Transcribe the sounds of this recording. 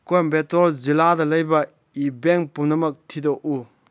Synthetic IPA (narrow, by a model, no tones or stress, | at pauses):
kojmbetɔɾziladɐlɐjbɐ | ibeŋpunɐmɐk̚tʰidɔk̚u